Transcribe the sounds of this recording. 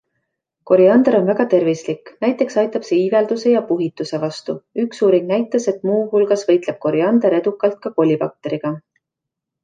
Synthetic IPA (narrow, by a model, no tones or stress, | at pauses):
ko̞ɾiɑnd̪eɾo̞nvæɡ̥ɑt̪e̞rvislikːnæjt̪ːˑe̞ksɑjt̪ːˑɑb̥se̞ive̞ld̪̥use̞jɑpuɦit̪ːˑuse̞vɑst̪uyksuːɾiŋɡnæjt̪ːˑɑse̞t̪ˑmuːhulɡ̥ɑsvɤjt̪le̞b̥̚ko̞ɾiɑnd̪eɾe̞d̪ukːˑɑlt̪̚kɑko̞lʲːipɑk̚t̪e̞ɾiɡ̥ɑ